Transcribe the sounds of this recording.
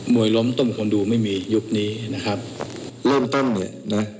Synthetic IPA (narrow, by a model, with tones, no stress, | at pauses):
mu˨˩əjlo˦˥mt̪ɔ˥˩mkʰu˧nduː˧ma˥˩jmiː˧ju˦˥k̚niː˦˥na˦˥kʰa˦˥p̚ɾɤː˥˩mt̪o˥˩nːi˧˩na˦˥